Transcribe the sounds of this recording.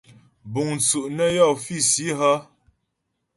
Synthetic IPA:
bu˨ŋn˨t͡su˨ʔnə˦jɔ˦˨fi˦˨si˨˦ɦə˦

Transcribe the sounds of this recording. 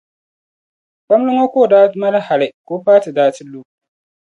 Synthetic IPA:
ɓɐ˦mlʊ˦ŋwa˦kʷoː˦˨daː˦ma˦la˦ha˨ɾa˦˨kʷoː˦ɸaː˦ti˨daː˦tɪ˦lːuː˦

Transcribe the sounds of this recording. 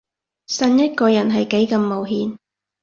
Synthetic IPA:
sɐ˧njɐ˥t̚kɔː˧jɐ˨˩nɦɐ˨jke˨˥jkɐ˨˧mːo˨wɦiː˨˧n

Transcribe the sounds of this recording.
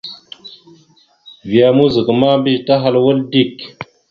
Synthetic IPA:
vi˨a˨mu˦zi˨kma˦bi˦ta˦ɦa˦lwə˦ldi˦˨k

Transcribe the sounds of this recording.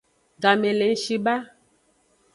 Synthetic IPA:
ɡa˨me˨le˨˦ʃi˨ba˦

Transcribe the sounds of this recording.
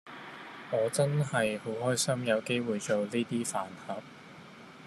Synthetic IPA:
ŋɔː˨˧t͡sɐ˥nhɐ˨jho˨˥whɔː˥jsɐ˥mjɐ˨˧wke˥jwuː˨jt͡so˨wliː˥t̪iː˥faː˨nhɐ˨˥p̚

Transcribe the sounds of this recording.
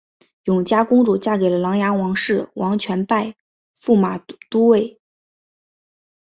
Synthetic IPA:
jʊ˨˩ŋt͡ɕja˥kʊ˥ŋʈ͡ʂu˨˩t͡ɕja˥˩ke˨˩ɪlə˦lɑ˧˥ŋja˧˥wɑ˧˥ŋʂɻ̩˥˩wɑ˧˥ŋt͡ɕʰɥɛ˧˥npa˥˧ɪ | fu˥˩ma˨˩t̪u˥we˥˩ɪ

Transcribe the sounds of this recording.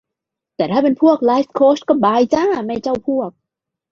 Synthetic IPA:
t̪ɛː˨˩t̪ʰaː˥˩pe˧npʰu˥˩ək̚laː˨˦˥skʰoː˦˥˩s̚kɔː˥˩baː˧jt͡ɕa˧˥ma˥˩jt͡ɕa˥˩wpʰu˥˩ək̚

